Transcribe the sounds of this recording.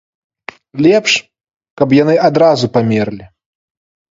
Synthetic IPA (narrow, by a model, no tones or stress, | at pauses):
lʲɛpʂ | kɐpjanɨad̪ɾazupamʲɛrlʲi